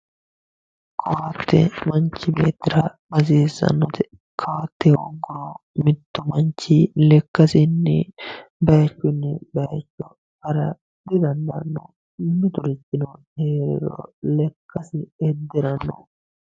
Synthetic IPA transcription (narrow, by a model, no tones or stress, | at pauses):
kʰɐwɐt̪ːɛ̰mɐnt͡ʃːɪbḛːt̪ːɪɾɐbɐziːzɐ̰nːɔt̪ɛ | kʰɐwat̪ːɛwɔ̰ɡːʊɾɔmɪt̪ːɔmɐnt͡ʃːɪlɛkːɐsɪnːɛbɐjɐt͡ʃːʊnːɛbɐjɐt͡ʃːɔ | hɐɾɐ | d̪ɪd̪ɐnd̪ɐnːɔ̰ | mːɪt̪ʊɾɪt͡ʃːɪnɔheːɾɪ̰ɾɔɔ̰lɛkːɐsɪɛd̪ːɛɾɐnːɔ̰